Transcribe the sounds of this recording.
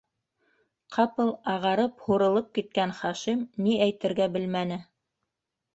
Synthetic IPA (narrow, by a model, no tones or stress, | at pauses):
qʰɑpɤlˠɑʁɑɾɤphuɾɤ̆lˠɤp̚kit̪̚kænχɑʃimniʔæjt̪ɘ̆ɾɡæbɘlmænɘ